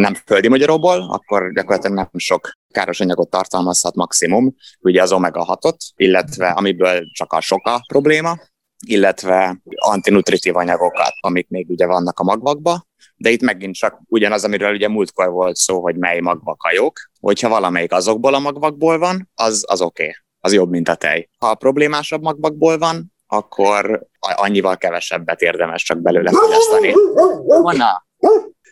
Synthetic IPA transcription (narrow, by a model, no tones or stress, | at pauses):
nɛmføld̪imɒɟɒɾoboːlɒ̰kːo̞rɟɒkorːɒt̪lɛɡnɛmʃo̞kkaːɾo̞ʃɒɲɒɡo̞t̪ːɒrt̪ɒlmɒshɒt̪mɒksimumuɟɛɒzomɛɡɒ̰ɦɒt̪o̞t̪ilːɛt̪vɛʔɒmibøːlt͡ʃɒkɒ̰ʃo̞kɒpro̞bleːmɒ | ilːɛt̪vɛɒ̰nt̪inut̪rit̪ivɒɲɒɡo̞kɒ̰t̪ɒmik̚meːɡuɟɛvɒnːɒkɒmɒɡvɒɡ̚bɒ | d̪ɛit̪mɛɡint̪t͡ʃɒk̚uɟɒnɒzɒmivɛluɟɛmult̪̚ko̞rvo̞lt̪soːɦo̞ɟmɛjmɒɡvɒkɒjok | ho̞̰chɒvɒlɒmɛjikɒzo̞ɡ̚boːlɒmɒɡvɒɡ̚boːlvɒnɒzɒ̰zo̞keː | ɒzjo̞bmint̪ɒt̪ɛ̰jhɒpro̞bleːmaːʃɒbmɒɡvɒɡ̚boːlvɒn | ɒkʰːo̞ɾɒɲːivɒlkɛvɛʃɛ̰bːɛt̪eːrd̪ɛmɛʃt͡ʃɒɡ̚bɛløːlɛfot̪ɛst̪ɒni | onɒ